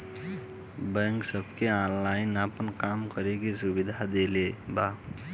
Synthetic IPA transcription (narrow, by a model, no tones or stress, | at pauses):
bɛ̃ŋksəbʱkeãnlaɪnapənkamkəɾekisubid̪ʱad̪eleba